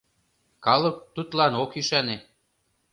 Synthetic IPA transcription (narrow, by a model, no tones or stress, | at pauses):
kɑlɤ̆k̚t̪ut̪lɑnokyʃæne